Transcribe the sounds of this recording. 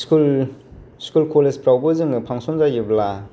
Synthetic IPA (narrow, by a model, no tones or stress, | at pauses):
u | skulkolezpɾawbɯzɯŋɯpʰaŋsɔŋnzaɡibla